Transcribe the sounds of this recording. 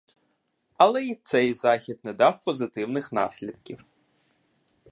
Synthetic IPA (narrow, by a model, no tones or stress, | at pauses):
ɐlˠɛit̪sɛjzɑxʲid̪nɛd̪ɑwpɔzɪt̪ɪwnɪxnɑ̰sʲlʲid̪kʲiw